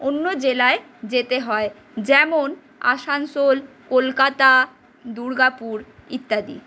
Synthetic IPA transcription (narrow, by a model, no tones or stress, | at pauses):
onːod͡ʑelae | d͡ʑet̪eɦɔe | d͡ʑɛmon | a̰ʃansol | kolkat̪a | d̪uɾɡapuɾit̪ːad̪ḭ